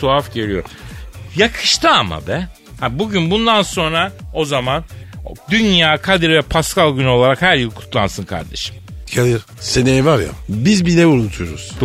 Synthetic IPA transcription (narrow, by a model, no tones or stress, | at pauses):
uafɟeɾijo̞̰jakʰɯ̥ʃt̪ʰɯama̰bɛ | habuɟynbund̪anso̞nɾao̞zamand̪ynjaːkʰad̪iɾvɛpʰaskalˠɟyno̞lˠaɾakhæɾjilˠkʰu̥t̪lˠansɯnkʰa̰ɾd̪e̞̰ʃɯ̥mcʰad̪iɾ | senejvaɾja̰bizbilʲɛbulˠunt̪ʰujoɾṵz̥